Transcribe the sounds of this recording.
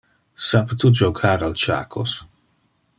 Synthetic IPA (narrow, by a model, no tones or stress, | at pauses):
sapt̪ud͡ʒoɡʰaːɾalt͡ʃa̰ːkʰo̰s